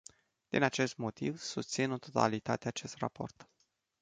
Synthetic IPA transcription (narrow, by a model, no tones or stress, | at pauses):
d̪̥inat͡ʃe̞st̪mo̞t̪ivsust̪sino̞t̪ot̪a̰lit̪at̪eat͡ʃe̞st̪ra̰po̞̰rt̪